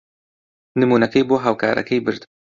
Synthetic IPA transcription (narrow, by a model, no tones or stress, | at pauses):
nɨmuːnɐkɐjboːɦaːwkʰaːɾʔɐ̰kʰɐjbɨɾd̪